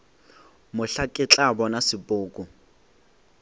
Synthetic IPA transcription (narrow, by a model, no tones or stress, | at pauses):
mʊɬakʼɪt͡ɬʼabɔnasɪpʼʊːkʼʊ